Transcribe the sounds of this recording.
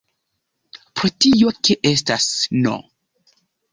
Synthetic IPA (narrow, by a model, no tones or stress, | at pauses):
pɾotiokeʔestasno̰